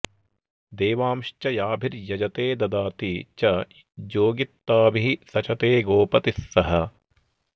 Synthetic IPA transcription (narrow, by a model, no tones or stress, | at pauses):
d̪eːʋaːmʃt͡ʃɐjaːbʱiɾjɐd͡ʒɐt̪eːd̪ɐd̪aːt̪it͡ʃɐ | d͡ʒoːɡit̪ːaːbiɦisɐt͡ʃɐt̪eːɡoːpɐt̪isːɐɦɐ